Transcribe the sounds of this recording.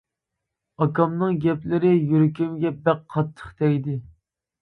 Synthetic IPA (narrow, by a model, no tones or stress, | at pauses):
ɑkɑmnɨŋɡʲɛplɪɾɪjyɾkʲymɡʲɛbɛqqʰːɑt̪ʰːə̥χt̪ɛjd̪ɪ